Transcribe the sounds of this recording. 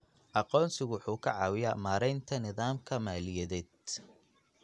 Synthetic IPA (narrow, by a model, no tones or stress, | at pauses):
ʔɑqɔːnsɪɣwʊħuːkʰɐʕɑːwɪja̰maːɾɛjnt̪ʰɐnɪðaːmkʰɐmaːlɪjɐðɛːd̪̚